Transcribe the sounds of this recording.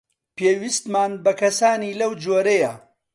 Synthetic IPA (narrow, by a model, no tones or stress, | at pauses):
peːwist̪maːnbɐkɐsaːniːlɐwd͡ʒoːɾɐjɐ